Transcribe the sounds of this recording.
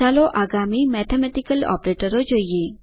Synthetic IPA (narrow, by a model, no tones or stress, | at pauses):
aːlõʔaːɡaːmimɛːt̪ʰemɛʈikəlɔ̰ːpɾeːʈəɾod͡ʒoːije